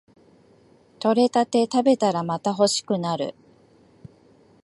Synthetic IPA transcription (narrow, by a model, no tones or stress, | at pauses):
t̪o̞ɾe̞t̪at̪e̞t̪abe̞t̪aɾamat̪aɦo̞ɕi̥kɯ̟naɾɯ̟̰